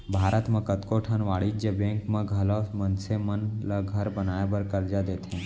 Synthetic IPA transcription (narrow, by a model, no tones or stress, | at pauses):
bʱaɾət̪mãkət̪koʈʰənʋaɭid͡ʒəbẽŋkmãɡʱəlomənsemənlaɡʱəɾbənajabəɾkəɾd͡ʒad̪et̪ʰẽ